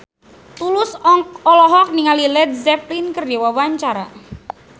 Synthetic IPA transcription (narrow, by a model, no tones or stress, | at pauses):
t̪ulʊsɔlɔɦɔk̚niŋalilɛd̪̚zɛplinkərd͡ʒɛwawaɲt͡ʃaɾa